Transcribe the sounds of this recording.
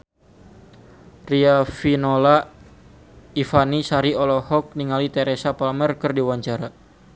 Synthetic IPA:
riafinola | ifanisaɾiɔlɔhɔk̚niŋalit̪ɛɾesapalmɛrkɨrdiwaɲt͡ʃaɾa

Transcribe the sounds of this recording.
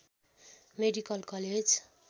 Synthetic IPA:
meɖikʌlkʌled͡z

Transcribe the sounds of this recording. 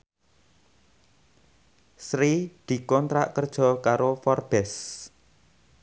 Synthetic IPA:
sɾid̪̥i̤kɔnt̪ɾaʔkərd̥ʒ̥ɔ̤kaɾofɔrb̥ɛs

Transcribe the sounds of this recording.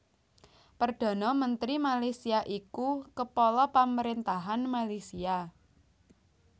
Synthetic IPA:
pərd̪̥a̤nɔmənt̪ɾimalasiaʔikukəpɔlɔpaməɾint̪aɦanmalisia

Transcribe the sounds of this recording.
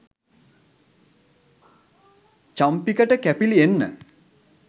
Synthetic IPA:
t͡ʃampikəʈəkæpilienːə̰

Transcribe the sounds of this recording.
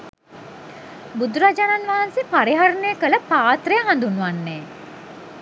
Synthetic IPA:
bud̪uɾad͡ʒananʋaɦansepaɾiɦaɾnəjəkələpaːt̪rəjəɦand̪unːuʋanːeː

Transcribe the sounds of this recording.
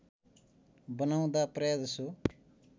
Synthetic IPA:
bənaũd̪aːpɾeːd̪su

